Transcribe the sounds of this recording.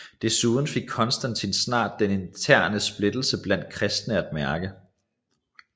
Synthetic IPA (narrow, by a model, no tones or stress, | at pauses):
d̥e̝suːð̞ˠn̩fe̝ɡ̥̚kʰɒ̽nsd̥ænt͡sʰinsnɑ̰̈ːd̥̚ːene̝nt͡sʰæɐ̰nəsb̥le̝d̥l̩səb̥læn̰d̥̚kʰʁɛsd̥nəæd̥mæɐɡ̥ə